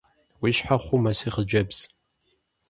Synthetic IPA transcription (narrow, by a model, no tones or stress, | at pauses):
wiʃħaχʷʊmasiχəd͡ʒɐbz̥